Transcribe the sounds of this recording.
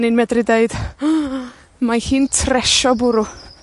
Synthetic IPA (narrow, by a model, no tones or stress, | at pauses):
nɪnmɛdrɪdeɨd̥ | mahiːntʰrɛʃɔbʊɾu